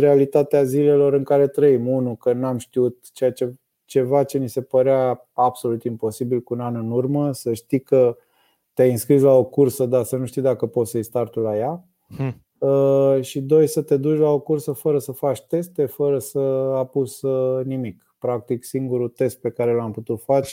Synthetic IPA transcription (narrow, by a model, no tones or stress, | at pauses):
ɾealit̪at̪eazile̞lo̞ɾɨŋkaɾe̞t̪ɾəimunukənamʃt̪iut̪̚t͡ʃejat͡ʃe̞ | t͡ʃe̞vat͡ʃe̞nise̞pəɾea | ab̥so̞lut̪impo̞sibilkuunanɨnurməsəʃt̪ikə | t̪eajɨnskɾis̬lao̞kursəd̪asənuʃt̪id̪akəpo̞t̪səjst̪art̪ulaja | əʃid̪o̞jsət̪e̞d̪ut͡ʃʲlao̞kursəfəɾəsəfat͡ʃʲt̪e̞st̪e̞fəɾəsəapusənimik | pɾak̚t̪iksiŋɡuɾut̪e̞st̪̚pe̞kaɾelamput̪ut̪fat͡ʃ